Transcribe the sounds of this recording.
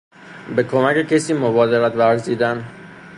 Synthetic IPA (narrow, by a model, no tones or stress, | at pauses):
be̞kʰomæce̞cʰesiːmobɒːd̪eɾæt̪væɾziːd̪æn